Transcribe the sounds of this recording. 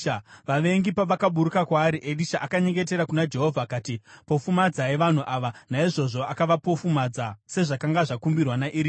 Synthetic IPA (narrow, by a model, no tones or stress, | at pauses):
ʋaʋe̞ŋɡipaʋakaɓuɾukakwaːɾiʔeɗiʃaʔakaɲe̞ŋɡe̞t̬e̞ɾakunad͡ʒe̞ɦo̞vʱakaːtipo̞fumad͡zaeʋan̤uʔaʋanaiʐo̞ʐo̞akaʋapo̞fumad͡zase̞ʐakaŋɡaʐakumbirwanaʔiɾi